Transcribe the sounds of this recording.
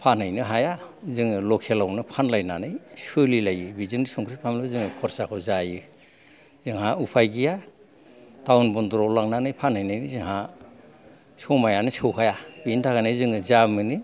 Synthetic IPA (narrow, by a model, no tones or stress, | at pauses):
pʰanɯjnɯɦaja | zɯŋɯlɔkʰelawnɯpʰanlajnanɯjsɯlilajɯbizɯŋɾisɔŋkʰɾipʰamlɯzɯŋɯkʰɔɾsakʰɔwzajɯ | z̥ɯŋɦaupʰajɡija | tawnbɔndɾɔlaŋnanɯjpʰanajnɯnɯzɯŋɦa | sɔmajanɯsɯwɦʰajabintʰaɡanɯjzɯŋɯzamɯnɯ